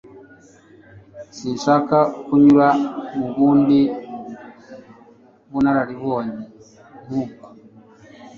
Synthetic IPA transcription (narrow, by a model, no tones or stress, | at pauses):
siʃakakuɲuɾamuɡundi | βunaɾaɾiβɔɲi | muk